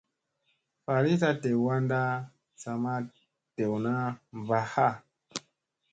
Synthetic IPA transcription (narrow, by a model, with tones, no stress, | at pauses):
fa˨ɾi˦sa˦te˨wa˦nda˦ | sa˨ma˦ | te˨wna˦mva˨ha˦˨